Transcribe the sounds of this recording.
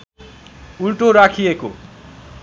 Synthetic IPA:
ulʈoɾakʰijeko̰

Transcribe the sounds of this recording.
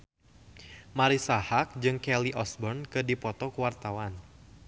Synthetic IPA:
maɾisahak̚d͡ʒɨŋkɛliʔɔsbɔrnkɨdipɔt̪ɔkuwart̪awan

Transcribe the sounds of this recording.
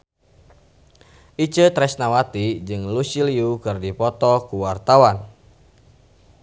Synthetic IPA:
ʔit͡ʃət̪ɾɛsnawat̪id͡ʒɨŋlusiliukɨrdipɔt̪ɔkuwart̪awan

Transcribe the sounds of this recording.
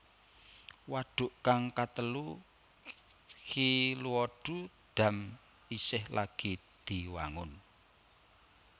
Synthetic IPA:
waɖ̥ʊ̤ʔkaŋkat̪əlu | hiluɔɖ̥ṳ | d̪̥ä̤m | isɪhlʔaɡ̥i | d̪̥iwaŋʊn

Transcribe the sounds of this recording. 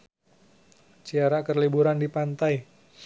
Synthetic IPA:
t͡ʃiaɾakərlibuɾandipant̪aj

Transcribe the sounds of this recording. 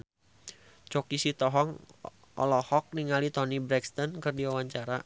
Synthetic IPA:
t͡ʃɔkisit̪ɔɦɔŋ | ɔ̰lɔhɔk̚niŋalit̪ɔnibɾɛkst̪ɔnkɨrdiwawaɲt͡ʃaɾa

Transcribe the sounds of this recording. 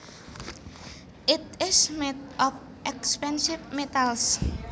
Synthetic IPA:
ɪt̪ɪsmed̪ɔf | ʔɛkspɛnsifmet̪als

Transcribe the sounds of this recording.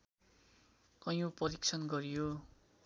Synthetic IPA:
ʌjũpʌɾik̚t͡sʰʌnɡʌɾjo

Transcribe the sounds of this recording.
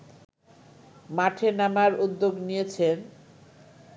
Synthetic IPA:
maʈʰenamaɾud̪ːoɡnijet͡ɕʰen

